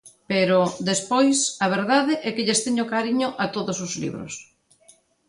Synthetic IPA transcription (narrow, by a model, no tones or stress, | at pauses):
peɾʊd̪espojsɐβ̞eɾðaðɪʔɛkɪʎest̪eɲʊkaɾiɲʊʔat̪oðʊsʊzlḭβɾʊ̰s